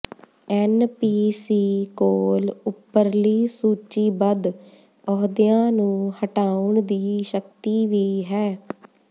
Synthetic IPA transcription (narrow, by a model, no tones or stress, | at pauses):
ɛːnpiːsiːkoːlʊpːəɾliːsuːt͡ʃiːbəd̪ | ɔːɦd̪ɪjãːnũːhəʈaːʊɳd̪iːʃəkt̪iːʋiːɦɛː